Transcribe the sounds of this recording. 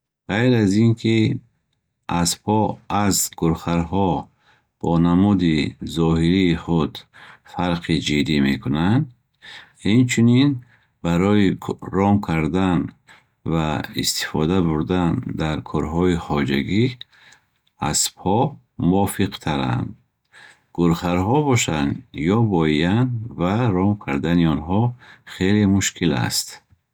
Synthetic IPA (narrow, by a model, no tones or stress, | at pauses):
ʁajɾazinkʰi | aspʰɔazɡuɾχaɾɦɔ | b̥ɔnamud̪izɔhiɾiːχud̪faɾqʰid͡ʒid̪imekʰunand̪ | int͡ʃʰunin | baɾɔiɾɔmkʰaɾd̪an | vaist̪i̥fɔd̪abuɾd̪and̪aɾkʰɔɾɦɔiχɔd͡ʒaɡi | a̰spʰɔ | muɔfiqt̪ʰaɾa̰nd̪ | ɡuɾχaɾɦɔbɔʃand̪jɔbɔianvaɾɔmkʰaɾd̪aniɔnɦɔχelemuʃkʰila̰st̪